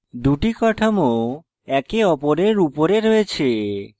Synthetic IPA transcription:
d̪uʈikɔʈʰomo | ɛkeɔpoɾeɾupoɾeɾoet͡ɕʰe

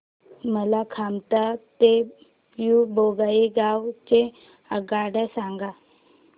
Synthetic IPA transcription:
məlakʰamt̪at̪e | juboɡaiɡawt͡ɕe | əɡaɽəsaŋɡa

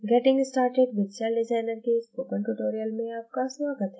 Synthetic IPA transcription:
ɡɛʈɪ̃ŋɡsʈaːɾʈeɖ̚bɪt͡ʃalɖɪzaːɪnəɾkeɪspoːkə̃ɳʈuʈoːɾijəlmẽaːp̚kasʋaːɡət̪ɦɛ

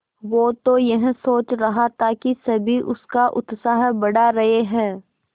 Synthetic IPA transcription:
ʋoːt̪ojɐɦsoːt͡ʃɾɐɦat̪ʰakisɐbʱiʔʊskaʔʊt̪saːɦbɐɽaɾɐɦeɦɛ̃ː

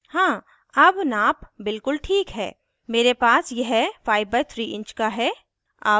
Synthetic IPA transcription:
hãː | ɐbnaːpbɪlkʊlʈʰiːkɦɛ̰ː | meːɾepaːsjɛɦfʰaːɪʋbaɪt̪ʰɾiːʔɪ̃ɲt͡ʃkaɦɛː | a̰ː

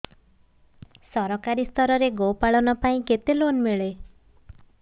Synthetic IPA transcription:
sɔɾɔkaɾist̪ʰɔɾɔɾeɡowpaɭɔnɔpaĩket̪elonmeɭe

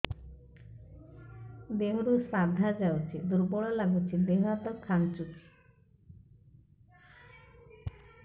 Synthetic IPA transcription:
b̪eɦɾusad̪ʱad͡ʒawt͡ʃʰid̪uɾbɔɭɔlaɡut͡ʃʰibeɦat̪ɔkʰant͡ʃuk

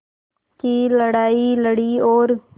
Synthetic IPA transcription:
kiːləɽaːiləɽiːoːɾ

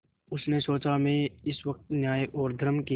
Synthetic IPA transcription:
ʊsnesoːt͡ʃamẽɪsʋɐk̚t̪njaːeʔoːɾd̪ʱəɾəmki

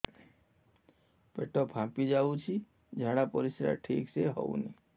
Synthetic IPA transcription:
peʈɔpʰãpid͡ʒawt͡ʃʰi | d͡ʒʱaɽapɔɾisɾa̰ʈʰikseɦɔ̰wnḭ

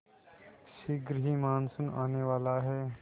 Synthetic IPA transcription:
ʃɪɡɾɦimaːnsʊna̰ːneʋaːlaɦɛː

